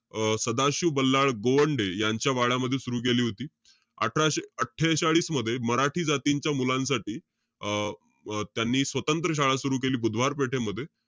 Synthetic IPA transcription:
səd̪aɕuːbəlːaɭɡoʋəɳɖejaɲt͡ɕjaʋaɭaməd̪ʱːjesuɾuːk̬eliːɦot̪iː | a̰ʈʰaɕeəʈʰːeɕaɭiːsməd̪ʱːjeməɾaʈʰiːd͡zat̪iɲt͡ɕjamulãnsaʈiː | t̪janːiːsʋət̪ənt̪ɾəɕ̬aɭasuɾuːkeliːbud̪ʱʋaɾpeʈʰeməd̪ʱːje

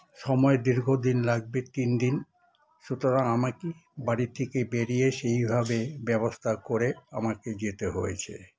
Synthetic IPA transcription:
ʃɔmɔed̪iɾɡʱod̪inlaɡ̚bet̪ind̪in | ʃut̪oɾaŋamakibaɽit̪ʰekebeɾijeʃejbʱabebɛbost̪ʰakoɾea̰maked͡ʑet̪eɦojet͡ɕʰḛ

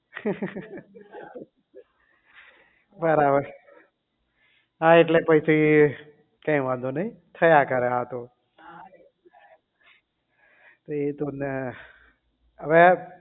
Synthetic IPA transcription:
bəɾabəɾ | ɦãeʈlepəɪsʰi | kãĩʋãːnd̪onəĩt̪ʰəjakəɾeɦat̪o | t̪oet̪on | əʋe

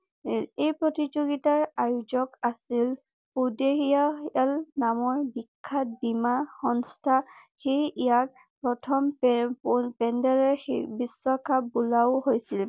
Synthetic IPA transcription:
ejpɹotid͡ʒoɡitaɹajuzɔkasil | pudexijalnamɔɹbikʰːat̚bimaxɔnstʰaxejijak̚ | pɹɔtʰɔm | pɛndɛɹɛbisːɔkʰapbulaʊɦojsil

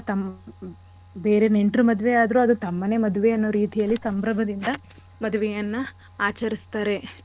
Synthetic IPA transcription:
t̪ɐm | beːɾe̞ne̞ɳʈɾumɐd̪ʋeaːd̪ɐɾuɐd̪ut̪ɐmːɐne̞ːmɐd̪uʋe̞ɐnːoːɾiːt̪ijɐlːisɐmbɾɐbʱɐd̪ind̪ɐ | mɐd̪uʋɛjɐnːu | aːt͡ʃɐɾist̪aːɾe̞

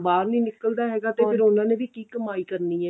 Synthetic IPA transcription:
baːɾniːnɪkəld̪aːɦɛːɡaːt̪eːpʰɪɾʊnãːneːʋiːkiːkəmaːiːkəɾniːɛː

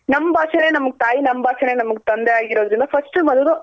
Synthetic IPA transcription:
nɐmːbʱaːʃɐne̞ːnɐmɐɡet̪aːjinɐmbʱaːʃɐne̞ːnɐmɐɡt̪ɐnd̪eaːɡiɾo̞ːd̪ɾind̪ɐpʰɐsʈɨmɐd̪ud̪u

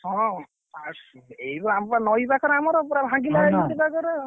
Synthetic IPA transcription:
hɔ̃ | asejbɔampanɔjbakɔɾɔamɔɾɔpɔɾabʱãɡilait̪ibakɔɾɔ

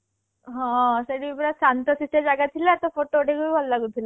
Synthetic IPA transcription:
ɦɔ̃seɽiipɾasant̪ɔsisʈad͡ʒaɡat̪ʰilat̪ɔpʰoʈoʈeɡujbʱɔlːaɡut̪ʰila

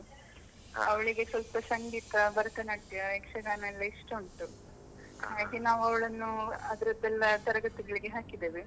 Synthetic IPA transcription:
ɐʋɐɭiɡe̞sʋɐlpɐsɐŋɡiːt̪ɐbɐɾɐt̪ɐnɐʈːjɐekʂɐɡaːnɐɛlːɐiʂʈɐuɳʈu | aːɡinaːʋuɐʋɐɭɐnːuɐd̪ɐɾɐd̪ɛlːɐt̪ɐɾɐɡɐt̪iɡɐɭiɡe̞ɦaːkid̪eːʋi

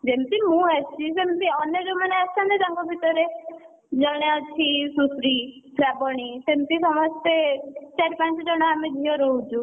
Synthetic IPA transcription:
d͡ʒemt̪imũat͡ʃʰisemt̪iɔnjɔd͡ʒeumaneasant̪ed͡ʒaŋkɔbʱit̪ɔɾe | d͡ʒɔɽ̃eɔt͡ʃʰisusɾi | pʰɾabɔɽ̃isemt̪isɔmɔst̪et͡ʃaɾpãnt͡ʃɔd͡ʒɔɽ̃ɔamed̪ʱiɔɾɔɦud͡ʒʰũ

